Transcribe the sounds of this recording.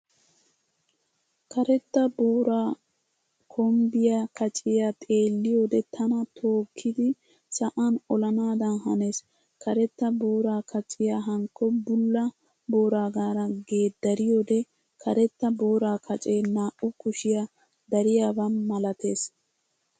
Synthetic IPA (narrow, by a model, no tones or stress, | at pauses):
kʰɐɾɛt̪ːɐboːɾaː | kʰɔmbɪjakɐt͡ʃʼɪjat̪ʼe̞ːlːɪjo̞ːd̪ɛt̪ʰɐnɐt̪ʰo̞ːkʰːɪd̪ɪ | sɐʔɐnɔlɐnaːd̪ɐnhɐne̞ːs | kɐɾɛt̪ːɐbo̞ːɾaːkʰɐt͡ʃʼɪjaɦɐŋkːɔbʊlːɐ | bo̞ːɾaːɡaːɾɐɡe̞ːd̪ɐɾɪjoːd̪ɛ | kʰɐɾɛt̪ːɐbo̞ːɾaːkʰɐt͡ʃʼeːnaːʔʊkʊʃɪja | d̪ɐɾɪjaːbɐnmɐlɐt̪e̞ːs